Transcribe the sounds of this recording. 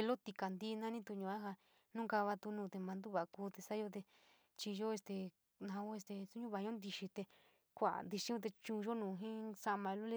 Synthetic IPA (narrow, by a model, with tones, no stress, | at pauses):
lo˦t̪i˧ka˨nd̪i˦˧nã˦nĩ˦t̪u˧ɲũ˧a˦ɦa˧ | nũ˦ka˧βa˧t̪u˧nũː˧t̪e˧mã˧nd̪u˦βa˨˧kuː˧˦t̪e˧sa˦jo˧t̪̬e˧ | t͡ʃi˧ʒo˦e˧st̪e˧ | nã˧o˦e˧st̪e˧su˦ɲũ˦βa˧˨ɲõ˦nd̪i˧ʃi˧t̪e˧ | kʷa̰˨nd̪i˧ʃĩ˦ũ˧t̪̬e˧t͡ʃũ˧ʒo˦nũː˨˧ɦĩ˦sa˦˧mã˧lo˦le˦˧